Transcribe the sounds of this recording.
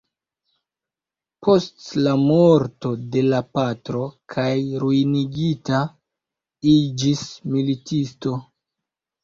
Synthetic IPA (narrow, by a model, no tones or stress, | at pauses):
pʰo̞stlamo̞ɾto̞de̞lapatɾo̞kʰajɾuiniɡita | id͡ʒismilitisto̞